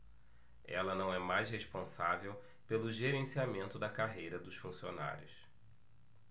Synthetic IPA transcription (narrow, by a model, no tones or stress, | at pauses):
ɛ̰lɐnɐ̃w̃ɛmajsɦeʃpõsavew | pelʊʒeɾẽsiamẽnt̪ʊd̪ɐkaɦejɾɐd̪ʊʃfũsiona̰ɾʲjʊs